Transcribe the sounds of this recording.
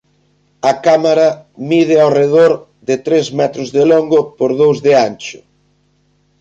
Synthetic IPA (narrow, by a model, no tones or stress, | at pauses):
ɐkamaɾɐmiðɪawreðoɾ | ðɪt̪ɾezmɛt̪ɾʊzðɪloŋɡʊpoɾðowzðɪant͡ʃʊ̥